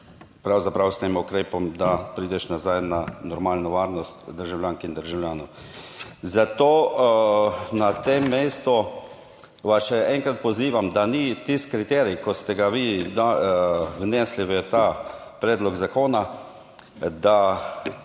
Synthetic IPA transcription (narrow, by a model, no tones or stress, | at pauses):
pɾawzapɾawst̪eːmʊkɾeːpɔmd̪apɾiːd̪ɛʃnazajnanɔɾmaːlnɔʋaːɾnɔst̪d̪əɾʒawljaːŋkind̪əɾʒawljaːnɔw | zat̪oː | nat̪eːmːeːst̪ɔ | ʋasʃɛɛŋkɾat̪̚pɔziːʋamd̪anit̪iskɾit̪ɛːɾikɔst̪ɛɡaʋid̪a | wnɛːsliʋət̪aː | pɾɛːd̪lɔɡzakoːna | d̪a